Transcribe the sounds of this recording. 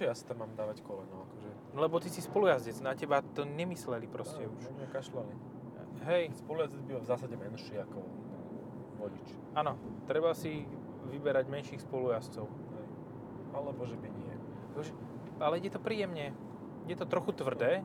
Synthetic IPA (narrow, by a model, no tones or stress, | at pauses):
ɛjasi̥t̪amːaːmd̪aːʋackɔlɛnɔʊakɔʒɛ | lɛbɔt̪isispɔlujazɟɛd͡znacɛbat̪ɔɲɛmislɛlipɾɔscɛuʃɛkaʃlali | ɦɛjspɔlujazɛd͡zbilvzaːsaɟɛmɛnʃiakɔ | ʋɔɟit͡ʃ | aːnɔt̪ɾɛbasi | ʋibɛɾaɟmɛnʃiːxspɔlujast͡sɔʊ | ɦɛj | alɛbɔʒɛbiɲɪɛ | akɔʒɛ | alɛɛt̪ɔpɾiːjɛmɲɛ | jɛt̪ɔt̪ɾɔxut̪ʋr̩d̪ɛː